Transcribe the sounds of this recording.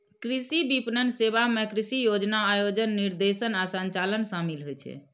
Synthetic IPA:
kɾisibipnənsebamekɾisijod͡ʒnaːjod͡ʒənːiɾd̪esənasə̃ɲt͡ʃalənsamilɦojt͡ʃʰɛ̰

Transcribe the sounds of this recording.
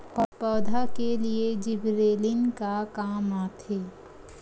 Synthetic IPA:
ɔɾpɔːd̪ʱakelied͡ʒɪbɾeːlɪnkakaːmaːt̪ʰeː

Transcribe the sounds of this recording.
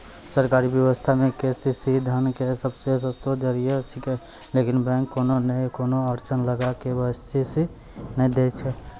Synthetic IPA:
səɾkaːɾibjəwəst̪ʰamẽkesisid̪ʱənkesəbses̬ə̃st̪od͡ʒəɾiesike | lekɪnbɛ̃ŋkːoːnonəĩkonoəɾt͡ʃənləɡakebəst̪isi | nəĩd̪et͡ʃʰɛ

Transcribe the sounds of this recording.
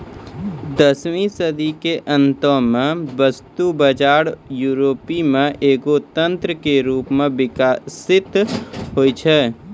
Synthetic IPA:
d̪əswĩsəd̪ikeʔə̃nt̪õmẽʋəst̪ubəd͡ʒaːɾjuːɾoːpimẽʔeːɡot̪ə̃nt̪ɾəkeɾuːpmẽʋɪkaːsɪt̪ɦoːit͡ʃʰɛː

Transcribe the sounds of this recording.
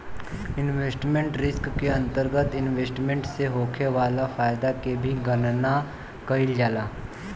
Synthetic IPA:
ɪnʋeːsʈmẽɳʈɾɪskːeɐ̃nt̪əɾɡət̪ɪnʋeːsʈmẽɳʈseɦoːkʰeʋaːlafaːjd̪akebʱiɡɐnna | kɐɪld͡ʒaːlaː

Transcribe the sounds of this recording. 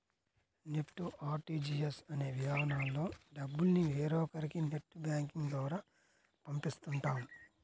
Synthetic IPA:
nepʈːuʔaːɾʈiːd͡ʒiːjɐsɐne̞ːʋid̪aːnaːlːo̞ːɖɐbːulniʋeːɾɔːkɐɾikineʈːubjaːŋkiŋɡd̪ʋɐːɾaː | pɐmpist̪uɳʈaːmu

